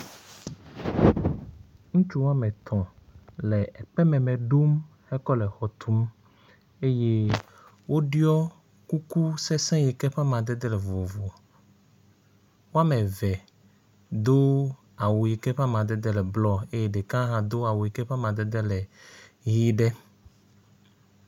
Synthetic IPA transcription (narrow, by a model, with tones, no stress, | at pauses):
ŋũ˦t͡ʃu˦wo˦a˦mɛ̃˨t̪ʰɔ̃˨lɛ˨ɛ˨ɸɛ˦mɛ̃˨mɛ̃˨ɖo˦m | hɛ˦kɔ˦lɛ˨xɔ˨t̪ʰu˦m | e˦je˦ | wʔo˦ɖi˦ɔ˦ | ku˦ku˦sɛ˦sɛ̃˦ji˨kɛ˦ɸa˦mã˨d̪ɛ˦d̪ɛ˦lɛ˨vo˨vo˨ | wo˦a˦mɛ̃˨vɛ˨ | d̪o˦ | a˨wo˨ji˨kɛ˦ɸa˦mã˨d̪ɛ˦d̪ɛ˦lɛ˨blɔ˦e˦je˦ɖe˨kã˦ɦã˨d̪o˦a˨wo˨ji˨kɛ˦ɸa˦mã˨d̪ɛ˦d̪ɛ˦lɛ˨ɣi˦ɖɛ˦